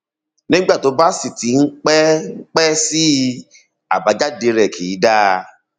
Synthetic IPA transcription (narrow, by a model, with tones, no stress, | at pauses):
nĩ˦ɡ͡ba˦˨to˨˦ba˦si˦˨ti˨˦n̩˦k͡pɛ˦k͡pɛ˦si˦ | a˨ba˨˧˦d͡ʒa˦de˧ɾɛ˨kʰi˨˦da˦˧